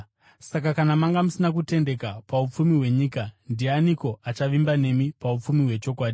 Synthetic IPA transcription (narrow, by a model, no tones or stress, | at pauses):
sakakanamaŋɡamusinak̬ute̞nde̞kapaup͡fumiɦwe̞ɲiːkandianiko̞ʔat͡ʃaʋimbane̞mipaup͡fumiwe̞t͡ʃo̞kwaːɗi